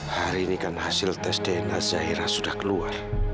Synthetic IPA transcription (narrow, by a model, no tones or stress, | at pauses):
haɾiːnikanhasɪlt̪ɛsdɛɛnazaɦiɾasudahkəluar